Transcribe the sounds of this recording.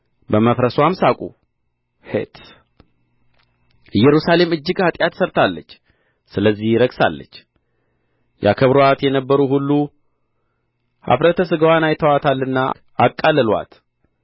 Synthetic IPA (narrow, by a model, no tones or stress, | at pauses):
bəməfɾəswamsakʼṵ | hḛt̪ʰ | jɛɾusale̞mɨd͡ʒːɪɡhat̪ʼjat̪səɾt̪ʰalːət͡ʃː | sɨləzːihɾəɡsa̰lːə̰t͡ʃː | ja̰kʰəβɾoat̪jɛnəbːəɾuɦulːu | ha̰fɾət̪ʰəsɨɡəwanajt̪ʰəwat̪ʰalːɨnːa | akʼːalːəlwa̰t̪